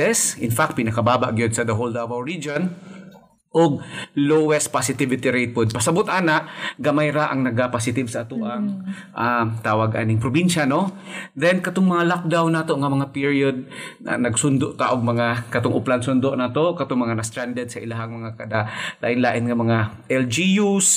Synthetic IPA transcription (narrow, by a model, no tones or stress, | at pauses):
ɛsɪnfak̚t̪̚pɪnɐkɐbaːba̰ʔɡajod̪sɐd̪ɐɦold̪awawɹid͡ʒon | ʔoɡ̚lowɛst̪̚pasɪt̪ɪvɪt̪ɪɾejt̪̚pod̪̚pɐsɐbʊt̪ʔaːnaʔɡɐmajɾaʔaŋnɐɡapasɪt̪ɪbsɐʔːt̪uʔaŋ | ʔat̪aːwaɡʔa̰nɪŋpɾobinʃanod̪ɛnkɐt̪oŋmɐŋalak̚d̪awnːaːt̪oʔŋɐmɐŋapiɹjod̪̚a̰nɐɡsʊnd̪oʔt̪aʔoɡ̚mɐŋakɐt̪oŋʔʊplansʊnd̪oʔnaːt̪oʔkɐt̪oŋmɐŋanɐst̪ɾand̪ɛd̪sɐʔɪlaɦaŋmɐŋakɐd̪ala̰ːʔɪnlaːʔɪnŋɐmɐŋaʔɛld͡ʒijus